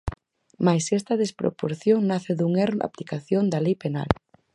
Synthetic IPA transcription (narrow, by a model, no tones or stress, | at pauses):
majsɛst̪ɐðespɾo̰poɾθjoŋnaθeðuŋeɾa̰plikaθjond̪ɐlejpena̰l